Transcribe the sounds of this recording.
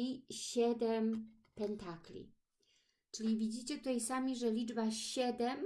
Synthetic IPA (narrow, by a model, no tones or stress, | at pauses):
iɕɛd̪ɛm | pɛnt̪aklʲḭ | t͡ʂɘlʲivʲid͡ʑit͡ɕɛt̪ut̪ajsamʲiʐɛlʲid͡ʐbaɕɛd̪ɛm